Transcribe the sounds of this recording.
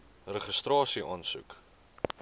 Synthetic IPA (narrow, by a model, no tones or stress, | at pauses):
rəχəstrɑːsiʔɑːnsṵk